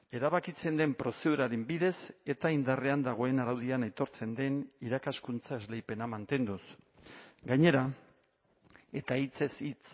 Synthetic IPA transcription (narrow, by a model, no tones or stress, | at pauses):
e̞ɾaβakit͡se̞nd̪e̞mpɾo̞seðuɾaɾembiðe̞se̞t̪aind̪are̞and̪aɣ̞o̞e̞naɾawðianejt̪o̞ɾt͡se̞nd̪e̞niɾakaskunt͡sae̞zlejpe̞namant̪e̞nd̪us | ɡaɲe̞ɾa | e̞t̪ait͡se̞sit͡s